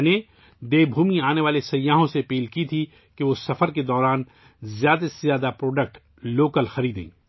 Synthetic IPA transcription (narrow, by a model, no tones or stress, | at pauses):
ne | d̪eːbʱuːmiaːneʋaːlesɐjːaːɦõseɐpiːlkit̪ʰi | keʋoːsɐfəɾked̪ɔːɾaːn | zjaːd̪asezjaːd̪apɾoːɖək̚ʈ | loːkəlxɐɾiːd̪ḛ̃ḭ̃ː